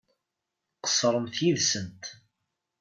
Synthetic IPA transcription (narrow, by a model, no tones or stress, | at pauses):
qə̥sːɾˤəmθjiðsənt̪